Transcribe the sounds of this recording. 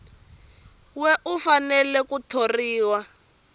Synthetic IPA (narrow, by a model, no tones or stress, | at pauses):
wɛʔufanɛlɛkutʰoriːwa